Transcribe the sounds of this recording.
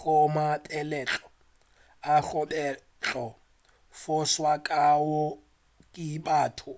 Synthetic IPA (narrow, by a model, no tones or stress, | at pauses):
ɣʊmatʼɛlɛt͡ɬʼɔ̥ | aɣʊbɛ | t͡ɬʼɔ | fʊswakʼawʊ | kʼibaːtʰʊ